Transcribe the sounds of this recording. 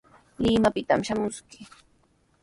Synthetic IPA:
lɪmapɪt̪amʃamʊskɪ̥

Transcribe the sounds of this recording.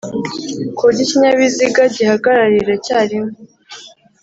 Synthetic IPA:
kuɟiciɲaβiziɡaɟihaɡaɾaɾiɾecaːɾimo

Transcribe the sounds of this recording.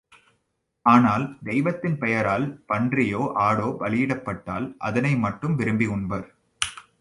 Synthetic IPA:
aːnaːld̪ɛɪʋɐt̪ːɪnpɛjɐɾaːlpɐɳdrɪjoːʔaːɽoːpɐlɪjɪɽɐpːɐʈːa̰ːlʔɐ̰ðɐnɐɪmɐʈːɯmʋɪɾɯmbiʊɳbɐɾ

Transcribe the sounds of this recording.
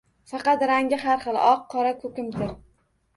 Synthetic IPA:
fɑqɑt̪ɾaŋʲɪɦaɾχɨlˠɒqʰːɒɾakʰɵkʲɪmt̪ɪɾ

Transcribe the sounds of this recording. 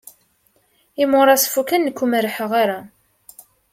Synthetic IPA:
imʊɾˤɑsfukənːəkʷːuməɾħəʁaɾa

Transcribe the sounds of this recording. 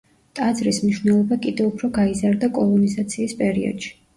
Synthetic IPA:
t̪ʼad̪zɾismniʃwnɛlˠɔbakʼid̪ɛupʰɾɔɡaizaɾd̪akʼɔlˠɔnizat̪sʰiːspʼɛɾiɔ̰d̪̥ʃi̥

